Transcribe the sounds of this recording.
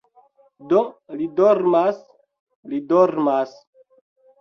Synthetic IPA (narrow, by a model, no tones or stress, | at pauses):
dolidoɾmas | lidoɾmas